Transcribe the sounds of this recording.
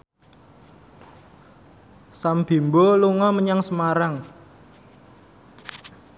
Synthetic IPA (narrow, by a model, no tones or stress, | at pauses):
samb̥i̤mboluŋɔməɲaŋsəmaɾaŋ